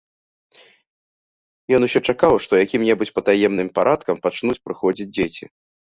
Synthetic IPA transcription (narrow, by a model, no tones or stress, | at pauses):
jɔnuɕʲɔt͡ʂakawʂt̪ɔjakʲimnʲɛbut͡sʲpɐt̪ajɛmnɨmpaɾʔat̪̚kɐmpat͡ʂnut͡sʲpɾɨxɔd͡zʲid͡zʲd͡zʲet͡sʲḭ